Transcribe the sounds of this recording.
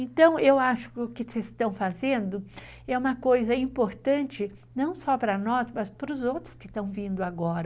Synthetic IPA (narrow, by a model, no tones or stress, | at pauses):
ẽt̪ɐ̃w̃ewaʃʊ̥kkɪsest̪ɐ̃w̃fazẽnd̪ʊ | ɛũmɐkojzɐĩmpoɾt̪ɐ̃nt͡ʃɪ | nɐ̃w̃sɔpɾɐnɔsmɐspɾʊzowt̪ɾʊ̥skɪst̪ɐ̃w̃vĩnd̪ʊaɡɔɾɐ